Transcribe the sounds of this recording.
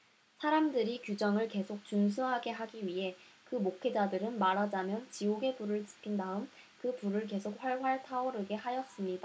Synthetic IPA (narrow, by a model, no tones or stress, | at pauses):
sʰaɾamdɯɾikjud͡ʑʌŋɯɭke̞sʰok̚t͡ɕuŋsʰuɦaɡe̞ɦaɡiɥiɦe̞ | kɯmokʰe̞d͡ʑadɯɾɯnmaɾad͡ʑamjʌnt͡ɕioɡe̞puɾɯɭt͡ɕi̥pʰindaɯm | kɯpuɾɯɭke̞sʰok̚ɸwaɭɸwaɭtʰaoɾɯɡe̞hajʌs͈ɯmɲida